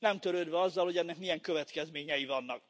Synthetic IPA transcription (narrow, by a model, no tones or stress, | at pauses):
nɛmt̪øɾøːd̪ʋɛɒzːɒlhoɟɛnːɛkmijɛŋkøvɛt̪kɛzmeːɲɛjivɒnːɒk̚